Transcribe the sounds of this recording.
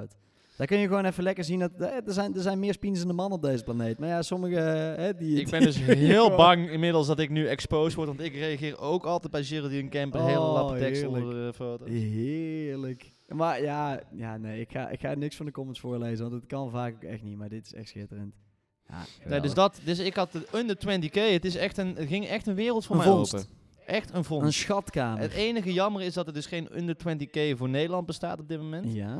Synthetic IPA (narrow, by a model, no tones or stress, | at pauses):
t | d̥aːkɵnjəɣəʋoːnɛfəlɛkəɹzindɑtɛdəɹzɛjndəɹzɛjnmɪːɹspinəsdɪndəmɑnɔb̚dejzəplanejtmaːɹjasɔməɣəɦɛdiəɪɡbɛndøsɦɪːlˠbɑŋɪnmɪdəl̩ˠsdɑtɪknyɛkspowstʋɔɹtʋɑntɪkrejɑɣɪːrowkɑlˠtɛt̚basɪːɾədiənkɛmpəɦeləlɑptɛfoːtoɦɪɹlək | maːɹjaːja̰ːnejɪkxa̰ːʔɪ̰kxa̰ːnɪksfɑndəkɔmənsfʊːɹlejzənʋɑntətkɑnvaːkokɛ̰xtnitmaːɹdɪtɪ̥sɛ̰xtsɪtərənt | ja̰nedøsdɑtdøs̬ɪkɦɑtəəndətwɛntikejətɪsɛxtənəχɪŋɛxtənʋɪːrəlˠtfʊːɹmɛopə | ʔɛxtənvɔnənsxɑtkaːmətejnəɣəjɑmərɪsdɑtəɹdɵsχejnə̰ndətwɛntikejvʊːɹnejdəlˠɑnt̚bəsta̰ːtob̚dɪt̚momɛnja